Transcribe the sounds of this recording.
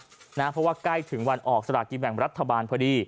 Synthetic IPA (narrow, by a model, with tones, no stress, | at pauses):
naː˦˥˩pʰɾɔ˦˥waː˥˩kla˥˩jt̪ʰɯ˨˩˦ŋwa˧nʔɔː˨˩k̚sa˧ɾaː˨˩ki˧bɛ˨˩ŋɾa˦˥t̪ʰːa˧baː˧npʰɔː˦˥˩diː˧˩